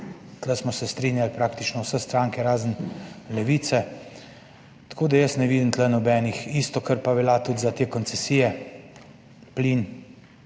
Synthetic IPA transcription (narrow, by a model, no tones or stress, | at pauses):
t̪lɛsmɔsɛst̪ɾiːnjalpɾaːkt̪it͡ʃnɔwsɛst̪ɾaːŋkɛɾaːzənlɛʋiːt̪sɛ | t̪ḁkoːd̪ajəsnɛʋiːd̪int̪lɛnɔbɛːnixist̪ɔkəɾpabɛlat̪ud̪zat̪eːkɔnsɛsiːjɛ | pliːn